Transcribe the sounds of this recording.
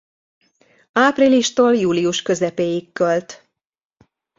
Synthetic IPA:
aːpriliʃt̪oːljuːlijuʃkø̞zɛpeːjikːølt̪

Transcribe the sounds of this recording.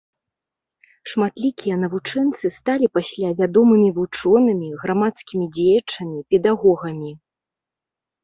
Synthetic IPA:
ʂmat̪lʲikʲijɐn̪ɐvut͡ʂɛnt̪sɨst̪alʲipasʲlʲavʲad̪ɔmɨmʲivut͡ʂɔnɐmʲiɣɾamat̪skʲimʲid͡zʲejɐt͡ʂɐmʲipʲɛd̪aɣɔɣɐmʲi

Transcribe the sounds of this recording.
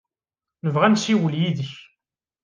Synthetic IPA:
nəvʁænsiwəljiðəç

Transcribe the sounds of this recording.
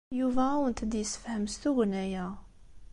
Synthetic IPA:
juvæwənt̪əd̪jəsːə̥fhəmst̪uɡnæjæ

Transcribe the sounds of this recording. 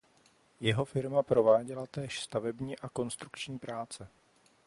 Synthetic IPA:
jɛɦo̞fɪɾmapɾo̞vaːɟɛlat̪ɛːʃst̪avɛbɲiːʔako̞nst̪ɾukt͡ʃɲiːpɾaːt͡sɛ

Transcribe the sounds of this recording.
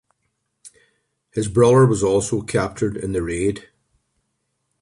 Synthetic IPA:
hɨzbɹʌðə˞wʌzɔlˠsokʰæp̚t͡ʃə˞dɪ̰̃nðɨɹed̥

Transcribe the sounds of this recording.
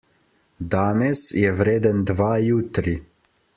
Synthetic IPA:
d̪aːnɛsjɛwɾeːd̪ənd̪ʋaːjuːt̪ɾi

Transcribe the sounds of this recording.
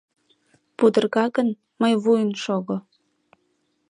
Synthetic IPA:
pud̪ə̆rɣɑɣən | məjβujənʃoɣo

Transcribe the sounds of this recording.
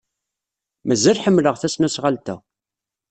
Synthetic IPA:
mæzːælħəmːləʁθæsnæsʁalt̪æ

